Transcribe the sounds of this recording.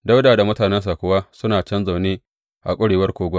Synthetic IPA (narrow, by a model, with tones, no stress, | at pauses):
da˦wdaː˨da˨mʊ˦taː˨nɛ˦ns̬a˨kʷʊ˨waː˦sʊ˦naː˨t͡ʃɐ˦nza˨wneː˦ | ʔa̰˨kʷʼʊ˦ɽeː˨wɐ˦rkʷoː˦ɡʷɐ˦